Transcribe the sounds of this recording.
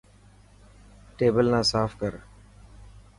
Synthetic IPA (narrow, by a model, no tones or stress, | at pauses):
ʈeːbəlnãːsaːfkəɾ